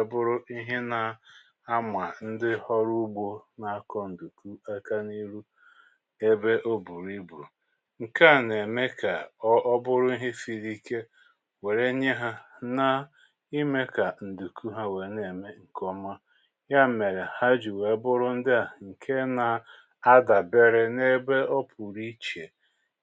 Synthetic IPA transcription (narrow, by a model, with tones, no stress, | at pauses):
e˨bʊ˦ɾʊ˦i˦ɦɪ˦na˨ | a˦mʷa˨n̩˦dɪ˦hɔ˦ɾu˦ɡ͡bo˦na˨a˦kɔ˦n̩˨du˨ku˦a˦ka˦ni˦ɾu˦ | e˦be˦ʔo˦bu˨ɾi˦bu˨ | ŋ̩˨ka˦˨ne˨me˦ka˨ɔ˦ɔ˦bʊ˦ɾʊ˦i˦ɦɪ˦fi˨ɾi˦ke˦ | we˨ɾe˦ɲe˦ɦa˦na˦ | i˦me˦ka˨n̩˨du˨ku˦ɦa˦we˨˦ne˨me˦ŋ̩˨kɔ˦ma˦ | ja˦˨me˨ɾe˨ha˦d͡ʒu˨we˨˦bʊ˦ɾʊ˦n̩˦dɪ˦a˨ŋ̩˨kʰe˦na˨ | a˦da˨be˦ɾɪ˦ne˦be˦ɔ˦pʰu˨ɾi˦t͡ʃe˨